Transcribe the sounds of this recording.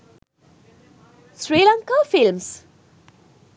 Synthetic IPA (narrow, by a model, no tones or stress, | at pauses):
sɹiːlãŋkafɪlms